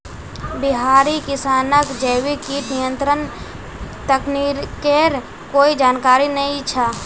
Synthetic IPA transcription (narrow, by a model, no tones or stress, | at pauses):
bɪɦaːɾikɪsaːnəkd͡ʒəːwikiːʈnɪjə̃nt̪ɾən | t̪əkniɾkeɾ | koːid͡ʒaːnkaːɾinɐɦĩt͡ʃʰaː